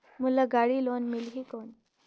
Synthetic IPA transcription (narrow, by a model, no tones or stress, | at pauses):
mulaɡaɽiːlonmilɦiːkon